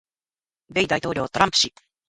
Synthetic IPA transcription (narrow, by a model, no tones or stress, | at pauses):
be̞id̪ait̪o̞ːɾʲo̞ːt̪oɾãmpɯ̟̥ɕi